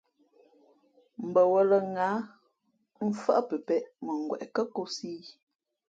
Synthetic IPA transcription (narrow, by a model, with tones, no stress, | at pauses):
m̩˨bə˨wə˨lə˨ŋaː˨˦ | m̩˦fa̰˦ʔpə˨pɛ˦˨ʔmə˨ŋ˨ɡwɛ̰˨ʔkə˦ko˦si˦